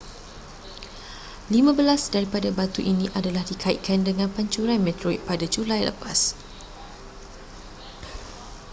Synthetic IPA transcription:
limãbəlasdaɾipadabat̪uʔinĩʔadalahdikʰaḭʔ̪̚kʰandəŋãnpaɲt͡ʃuɾanmɛ̃t̪ɾɔḭt̪̚padad͡ʒulajlə̰pas

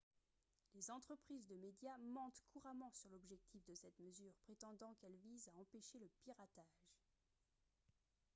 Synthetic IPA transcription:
lezɑ̃t̪χəpχizd̪əmed̪jamɑ̃t̪kʰuʁamɑ̃syʁlɔbʒɛk̚t̪ʰifd̪əsɛt̪məzyːʁpχet̪ɑ̃d̪ɑ̃kɛlvizaɑ̃peʃeləpiʁat̪aʒ

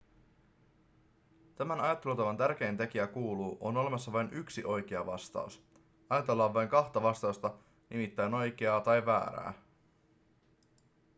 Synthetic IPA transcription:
t̪æmænɑjɑt̪ːelut̪ɑʋɑnt̪ærk̟e̞jnt̪e̞k̟iækuːluːʔo̞no̞le̞mɑsːɑʋɑjnyksiʔo̞jk̟e̞ɑ̰ʋɑst̪ɑ̰us | ɑjɑt̪e̞lːɑːʋɑjŋkɑxt̪ɑʋɑst̪ɑust̪ɑ | nimit̪ːæjno̞jk̟eɑːt̪ɑjʋæ̰ːɾæ̰ː

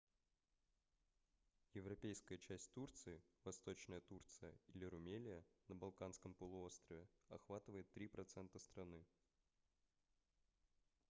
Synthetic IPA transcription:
jɪvɾɐpʲejskəjət͡ɕæsʲtʲt̪urt̪sɨɪvɐst̪o̞t͡ɕnəjət̪urt̪sɨjəilʲɪɾʊmʲelʲɪjənəbɐlˠkanskəmpəlˠʊo̞st̪rəvʲɪɐxvat̪ɨvəjɪt̪ːɾʲipɾɐt̪sɛnt̪əst̪ɾɐnɨ

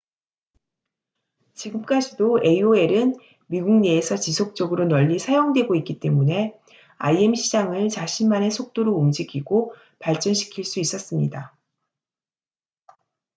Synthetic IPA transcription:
t͡ɕiɡɯmk͈ad͡ʑidoe̞oe̞ɾɯn | miɡuŋɲe̞ːsʰʌt͡ɕisʰok̚t͡ɕ͈ʌɡɯɾonʌʎːisʰajoŋdwe̞ɡoik͈it͈e̞mune̞ | a̰ie̞mɕʰid͡ʑaŋɯɭt͡ɕaɕʰinmane̞sʰok̚t͈oɾoumd͡ʑikʰiɡo | paɭt͡ɕ͈ʌnɕʰi̥kʰiɭs͈uis͈ʌs͈ɯmɲida

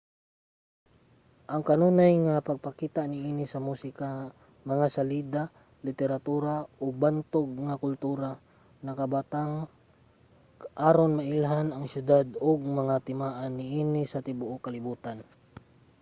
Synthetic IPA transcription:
ʔɐŋkɐnuːnajŋapɐɡ̚pɐkiːt̪aʔnɪʔiːnɪsɐmusɪka | mɐŋasaliːd̪a | lɪt̪ɛɾat̪uːɾaobant̪oɡ̚ŋakʊlt̪uːɾa | nɐkɐbat̪aŋ | ʔaːɾonmɐʔɪlɦanɐŋʃjʊd̪ad̪oɡ̚mɐŋat̪ɪmaːʔanːɪʔiːnɪsɐt̪ɪbʊʔokɐlɪbuːt̪an

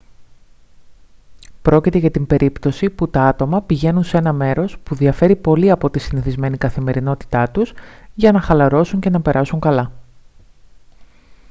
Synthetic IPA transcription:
pɾo̞cit̪e̞ʝɐt̪imbe̞ɾʔipt̪o̞siput̪ɐɐt̪o̞mɐpiʝe̞nunse̞nɐme̞ɾo̞spuðiɐfe̞ɾipo̞liɐpo̞t̪isiniθizme̞nikɐθime̞ɾino̞t̪i̥t̪ɐt̪usʝɐnɐxɐlɐɾo̞suɲce̞nɐpe̞ɾʔɐsuŋkɐlɐ

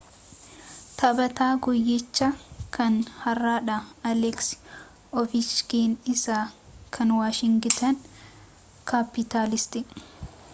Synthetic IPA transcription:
t̪ʰɐbɐt̪aːɡɔjːɛt͡ʃːɐkʰɐnhɐrːaːᶑaɐlɛks | ɔfɪt͡ʃkeːnɪsaːkʰɐnwaːʃɪŋɡɪt̪ɐn | kapːɪt̪aːlɪst̪ɪ

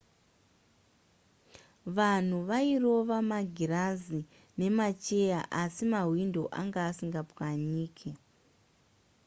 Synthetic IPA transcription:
ʋan̤uʋairo̞ʋamaɡʱiɾazi | ne̞mat͡ʃe̞jaʔasimaɦwindo̞ʔaŋɡaːsiŋɡapwaɲiːkʰi

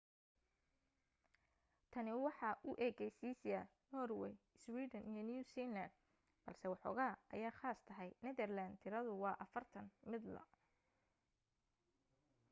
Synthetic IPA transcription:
t̪ʰɐnɪwɑħɑʔʊʔɛːɣɛjsiːsja | nɔːrwɛ̰j | swiːd̪ɐnʔijɔnjuːsiːnlɐnd̪ | b̥ɐlsɛwɑħɔ̰ːɣaːʔɐjaːχaːst̪ʰɐɦɛjnɛðɛrland̪t̪ʰɪɾɐðʊwɑːʔɐfɐrt̪ʰɐnmɪd̪lɐ̰

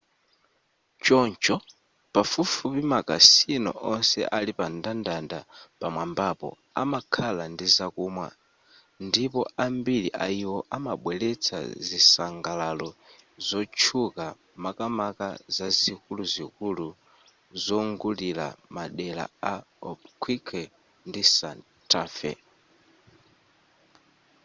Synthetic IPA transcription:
t͡ʃɔnt͡ʃɔ | pafufupimakasinɔ̰ʔɔnsɛ̰ʔalipandandanda̰pamwambapɔ̰ | a̰makʰalandizakuːmwa̰ | ndipɔambiliʔa̰iwɔʔamaɓwɛlɛt͡sʰa̰zisaŋɡalalɔzɔt͡ʃʰuka | makamaka̰zazikuluzikulu | zɔŋɡulila̰maɗɛla̰aɔpkʰwikʰɛ | ndisan | tʰafɛ̰

